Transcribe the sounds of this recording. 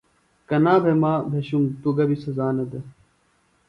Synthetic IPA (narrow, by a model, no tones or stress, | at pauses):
kɐnaːbʱemaːbʱeɕuŋt̪uɡɐbisɐzaːnɐd̪ɐ